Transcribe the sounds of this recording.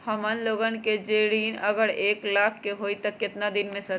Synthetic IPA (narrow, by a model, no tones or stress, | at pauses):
hɐmənloːɡənked͡ʒeːɽiːnɐɡəɽeːklaːkʰkeɦoːit̪ɐkːɪt̪nad̪ɪnmẽsɐ